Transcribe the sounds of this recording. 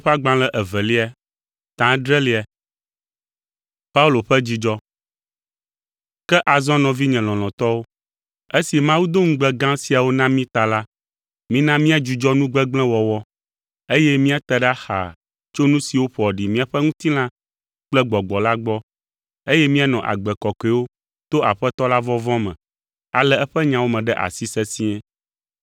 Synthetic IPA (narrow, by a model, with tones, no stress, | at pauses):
ɸe˦a˦ɡ͡bã˨lɛ˦ʔɛ˨vɛ˨li˦a˨ | t̪ã˨˦ɖɾɛ˦li˦a˨ | pa˦u˦lo˨ɸɛ˦d͡ʑi˦d͡ʒɔ˦ | kɛ˦ʔa˨zɔ̃˦nɔ̃˨vi˦ɲɛ̃˨lɔ̃˨l̃ɔ̃˨t̪ɔ˦wo˦ | e˦si˨mã˦wu˦d̪o˦ŋ̩̃˦ɡ͡bɛ˦ɡã˦si˨a˨wo˦nã˦mĩ˦t̪a˨la˦ | mĩ˦nã˦mĩ˦a˨d͡ʒu˨d͡ʒɔ˦nũ˦ɡ͡bɛ˦ɡ͡blɛ̃˦wɔ˨wɔ˦ | e˦jɛ˦mĩ˦a˨t̪ɛ˨ɖɛ˦a˦xa̰˨ | t͡ʃo˦nũ˦si˨wo˦ɸɔ˨ɖi˨mĩ˦a˨ɸɛ˦ŋũ˦t̪i˦lã˦ | k͡plɛ˦ɡ͡bɔ˨ɡ͡bɔ˨la˦ɡ͡bɔ˦ | e˦jɛ˦mĩ˦a˨nɔ̃˨ʔa̰˨ɡ͡bɛ˨kɔ˨ke˨wo˦ | t̪o˦ʔa˨ɸɛ˦t̪ɔ˦la˦vɔ˦vɔ̃˦mɛ̃˨ | a̰˨lɛ˦ɛ˦ɸɛ˦ɲã˨wo˦mɛ̃˨ɖɛ˦ʔa̰˨si˦sɛ˦sĩ˦ɛ̃˦